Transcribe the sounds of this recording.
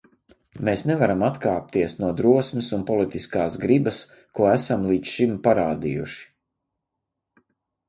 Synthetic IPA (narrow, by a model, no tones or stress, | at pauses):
meːsnɛvaɾamat̪kaːp̚t̪iɛsnuɔd̪ɾuɔsmisunpɔlit̪iskaːsɡɾibɐs | kuɔæsamlˠiːʃimpaɾaːd̪ḭjṵʃi̥